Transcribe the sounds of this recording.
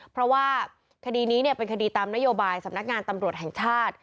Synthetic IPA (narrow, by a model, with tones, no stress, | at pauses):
pʰɾɔ˦˥waː˥˩ | kʰa˧diː˧niː˦˥ni˥˩əpe˧nkʰa˧diː˧t̪aː˧mna˦˥joː˧baː˧jsa˩˦mna˦˥k̚ŋaː˧nt̪a˧mɾu˨˩ət̪̚ɦɛ˨˩ŋt͡ɕʰaː˥˩t̪̚